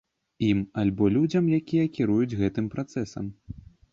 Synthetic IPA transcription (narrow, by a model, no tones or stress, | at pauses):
imalʲbɔlʲud͡zʲɐmjakʲijɐkʲiɾujud͡zʲɣɛt̪ɨmpɾat̪sɛsɐ̰m